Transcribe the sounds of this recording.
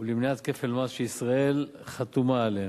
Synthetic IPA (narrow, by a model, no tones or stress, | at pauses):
ulimniat̪kefelmazʃeisʁae̞lχat̪umaːle